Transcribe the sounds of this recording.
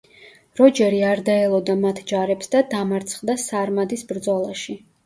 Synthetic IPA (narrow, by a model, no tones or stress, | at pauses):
ɾɔd͡ʒɛɾiaɾd̪aɛlˠɔd̪amat̪ʰd͡ʒaɾɛpsd̪ad̪amaɾt̪sʰχd̪asaɾmad̪isbɾd̪zɔlˠaʃi